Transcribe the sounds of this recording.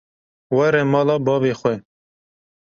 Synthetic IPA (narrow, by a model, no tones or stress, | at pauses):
wɛɾɛmɑːlɑːbɑːveːxʷɛ